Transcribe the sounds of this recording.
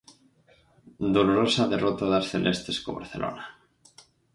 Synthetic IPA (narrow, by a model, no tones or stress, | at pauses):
d̪oloɾosaðerot̪aðasθelʔest̪eskoβa̰ɾθelʔo̰na